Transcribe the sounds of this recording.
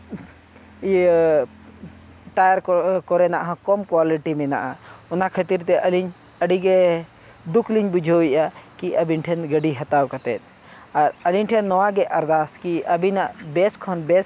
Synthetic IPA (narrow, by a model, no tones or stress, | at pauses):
ʈajaɾɔkɔɾɛnaʔɦãkɔmkwaliʈimɛna̰ʔa | ɔnakʰət̪iɾt̪ɛʔəliɲ | əɖiɡɛ | d̪ukʰliɲbud͡ʒʱowiʔa | kiəbinʈʰɛnɡəɖiɦɐt̪awkat̪ɛ̰t̪̚ˀ | aɾəliɲʈʰɛnːɔwaɡɛʔɐɾd̪askiʔəbinaʔbɛskʰɔnbɛs